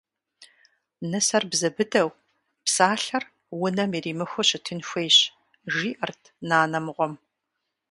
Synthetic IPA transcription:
nɨsɐrbzɐbɨdɐw | psaːɬɐr | wʊnɐmiːriːmɨxʷʊɕɪtʰɨnxʷejɕ | ʒiːʔɐrtʰnaːnɐmʁʷɔm

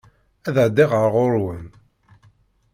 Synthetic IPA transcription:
æðəʕd̪iʁəɾʁoɾwəm

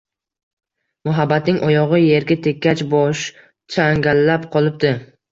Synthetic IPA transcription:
mʊɦabːat̪nɪŋʔɒjɒʁɨje̞ɾɡʲat̪ʰe̞kʲʰːat͡ʃbɒʃ | t͡ʃʰaŋɡʲalːapqʰɒlˠɪp̚d̪ɪ

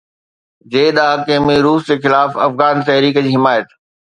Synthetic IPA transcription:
d͡ʑeːɗaːkeɦmĩɾuːsd͡ʑeːxɪlaːfɐfɣaːnt̪ɐɦɾiːkəd͡ʑiːɦɪmaːjət̪

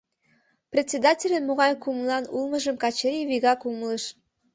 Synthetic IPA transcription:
prʲet̪ʲt͡sʲːed̪ɑtʲelʲənmoɣɑjkumlɑnulmə̆ʒəmkɑt͡ɕeɾiβiɣɑkumləʃ

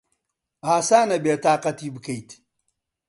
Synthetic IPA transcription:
haːsaːnɐbeːt̪aːqɐt̪iːbɨkɐjt̪

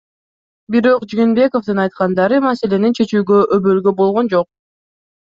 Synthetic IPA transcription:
biɾo̞qd͡ʒiŋenbe̞ko̞fd̪ɯnɑjt̪qɑnd̪ɑɾɯmɑse̞le̞nint͡ʃʰe̞t͡ʃyːɡøʔøβølɡø̞bo̞lˠʁo̞nd͡ʒo̞q̚

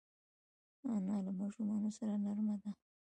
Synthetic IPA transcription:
anɑlamɑʂumɑnosaɾanaɾmad̪a

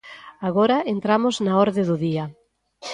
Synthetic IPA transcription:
aɣoɾaent̪ɾamʊznaɔɾðɪðʊðiɐ

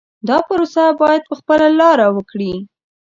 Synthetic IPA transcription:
d̪ɑpəɾosabɑjad̪̚pəxpəlalɑɾawəkɽi

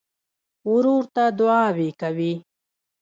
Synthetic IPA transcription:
ʊɾuɾt̪ad̪ʊɑːwekawi

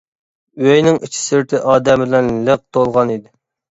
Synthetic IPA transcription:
wøjnɪŋit͡ʃʰi̥sɪɾt̪ʰɪʔɑːd̪ɛmɪlɛnləq̚t̪ʰolˠʁɑnid̪ɪ

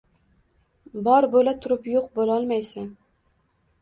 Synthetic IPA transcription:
bɒɾbolat̪ʰʊɾɪpjoqbolɒlˠmajsɪn

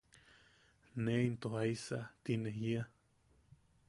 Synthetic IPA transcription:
neint̪ohaisa̰t̪ineɦia

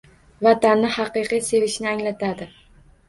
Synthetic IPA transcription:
vat̪anːɪhɑqɨqɨjse̞vɪʃnɪaŋlat̪ʰad̪ɪ

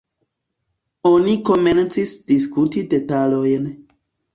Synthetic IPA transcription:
o̞niko̞ment͡sisd̥iskutide̞talo̞jn

